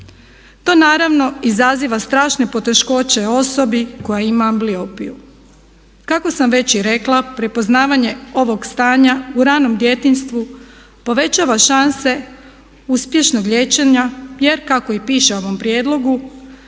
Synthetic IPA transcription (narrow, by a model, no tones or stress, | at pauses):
t̪o̞ːnaːɾaʋno̞izaziʋast̪ɾaːʃne̞po̞t̪e̞ʃko̞t͡ɕe̞o̞so̞biko̞jaimaːmbliopiju | kako̞samʋe̞t͡ɕiɾe̞klˠapɾepo̞znaːʋaɲe̞o̞ʋo̞ɡst̪aːɲauɾaːno̞md̪je̞t̪inst̪ʋu | po̞ʋe̞t͡ɕaːʋaʃanse̞ | uspje̞ʃnoɡʎʲe̞t͡ɕeɲaje̞ɾkako̞ipiːʃeo̞ʋo̞mpɾjeːd̪lˠo̞ɡu